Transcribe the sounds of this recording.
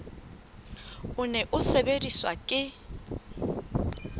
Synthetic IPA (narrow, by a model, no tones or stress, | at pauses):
ʊnɛʔʊsebediswa̰kʼɪ